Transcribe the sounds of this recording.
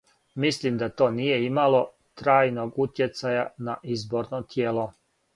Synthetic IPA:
mislimd̪at̪o̞ːnije̞imalo̞ | t̪ɾaːjnoɡut̪je̞t̪sajanaʔizbo̞ɾnot̪jeːlo̞

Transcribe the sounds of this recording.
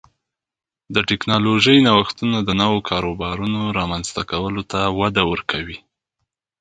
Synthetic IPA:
d̪əʈɪknɑloʒəjnawaxt̪unad̪ənawokʰɑɾobɑɾunoɾɑmanz̥t̪akawəlot̪awad̪awəɾkʰawi

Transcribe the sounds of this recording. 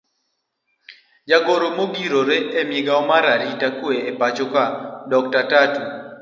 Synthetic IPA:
d͡ʒaɡoɾomoɡiɾoɾeemjeɡaɔmaɾaɾitakweepat͡ʃɔkadɔk̚tatatu

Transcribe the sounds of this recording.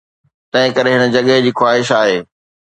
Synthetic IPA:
t̪ɐ̃ɦɪ̃kɐɾeɦɪnə̆d͡ʑɐɠəɦd͡ʑiːxwaːɦɪʃaːɦeː

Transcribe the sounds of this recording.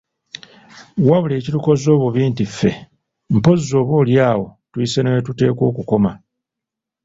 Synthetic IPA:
waβule̞ːcituko̞zo̞ːβuβiːntifːe̞ | m̩po̞zizo̞ːβoːljaːwo̞tuisenewetute̞ːko̞̰ːkuko̞ma

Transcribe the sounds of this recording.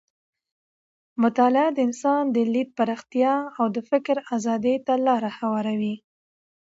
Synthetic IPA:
mʊt̪ɑlɪad̪əɪnsɑnd̪əlid̪̚paɾɑxt̪jɑawd̪əfɪkɾazɑd̪et̪alɑɾahawɑɾawi

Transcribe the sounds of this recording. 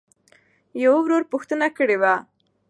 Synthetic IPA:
jawawɾoɾpʊxt̪ənakəɽewa

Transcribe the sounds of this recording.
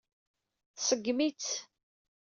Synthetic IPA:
θsəɡːmit͡s

